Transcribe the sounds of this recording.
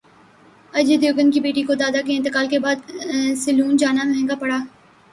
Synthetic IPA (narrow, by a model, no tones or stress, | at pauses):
ɐd͡ʒed̪joːɡənkibeːʈikod̪aːd̪akeɪ̃nt̪ɪkaːlkebaːd̪sɐluːnd͡ʒaːnamɛɦɛ̃ŋɡapɐɽaː